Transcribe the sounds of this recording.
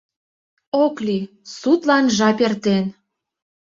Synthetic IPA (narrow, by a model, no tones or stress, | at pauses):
okli | sut̪lɑnʒɑpert̪en